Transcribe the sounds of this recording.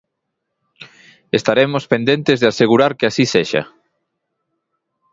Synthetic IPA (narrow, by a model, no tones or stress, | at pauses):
est̪aɾemospend̪ent̪ezðeaseɣ̞uɾaɾkɪasiseʃa̰